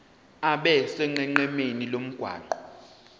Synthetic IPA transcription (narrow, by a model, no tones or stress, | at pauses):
aɓɛsɛŋ͡ǃɛŋ͡ǃɛmenilom̩ɡ̥ʱwa̰ːǃɔ